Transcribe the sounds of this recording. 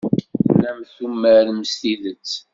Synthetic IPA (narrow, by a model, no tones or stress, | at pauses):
læmθumːəɾməst̪iðət͡sː